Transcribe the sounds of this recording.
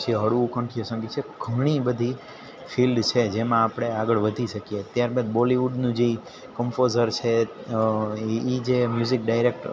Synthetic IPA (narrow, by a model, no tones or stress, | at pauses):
t͡ʃʰiɦəɽuũkə̃ɳʈʰijosə̃ŋɡit͡ʃʰeɡ̥ʱəɽ̃ibəd̪ʱi | filɖt͡ʃʰed͡ʒemãːpɽ̃eaɡəɭʋəd̪ʱiʃəkiet̪jaɾbə̃d̪boliʋuɖnũd͡ʒi | kəmfozəɾt͡ʃʰe | id͡ʒemjuzik̚ɖajɾek̚ʈ